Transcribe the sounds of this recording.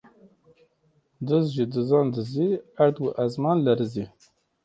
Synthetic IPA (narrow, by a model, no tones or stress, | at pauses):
d̪ɨzʒid̪ɨzɑːnd̪ɨziæɾd̪ɡuʔæzmɑnlɛɾɨzi